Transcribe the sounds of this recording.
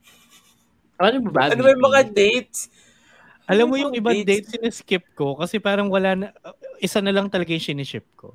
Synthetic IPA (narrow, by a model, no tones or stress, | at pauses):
ɐɾanʊbɐbaɐnomɐjmɐŋad̪ejt̪̚s | ʔɐlamːojʊŋʔɪbad̪ejt̪̚sɪnɪskɪp̚ko̞kɐsɛpaːɾɐŋwɐlaːnɐʔɪsanɐlɐŋt̪ɐlɐɡajʊŋʃɪnɪt͡ʃɪp̚ko̰